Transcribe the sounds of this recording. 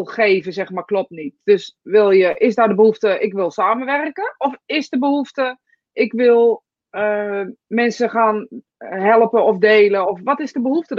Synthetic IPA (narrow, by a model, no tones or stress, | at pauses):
lˠxeːvəzɛxmarklɔp̚nit̚d̥øsʋɪlˠjəʔɪsdadəbəɦuftəʔɪkʋɪlˠsaːməʋɛrkəɔfɪsdəbəhuftə | ʔɪkʋɪlˠ | əmɛnsəχaːn | ɦɛlˠəpəɔfdeːləɔfʋɔtɪzdəbəhuftə